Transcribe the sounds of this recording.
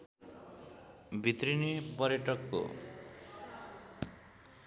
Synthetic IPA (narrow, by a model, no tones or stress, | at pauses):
bʱit̪rinepʌɾjʌʈʌkːo̰